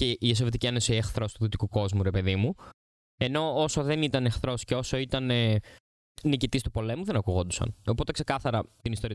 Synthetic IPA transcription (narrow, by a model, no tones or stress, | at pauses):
ceʔiesovit̪icienosiexθɾo̞st̪uðit̪i̥kuko̞zmuɾe̞pe̞ðimu | e̞no̞oso̞ðe̞nit̪ɐnexθɾo̞sceo̞so̞it̪ɐne | nicit̪ist̪upo̞le̞muðe̞nɐkuɣo̞nd̪usɐ̰no̞po̞t̪e̞kse̞kɐθɐɾɐt̪inist̪o̞ɾi